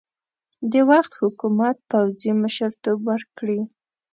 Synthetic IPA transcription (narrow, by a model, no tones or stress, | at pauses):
d̪ewaxt̪hʊkumat̪̚pawziməʃəɾt̪obwəɾkɽi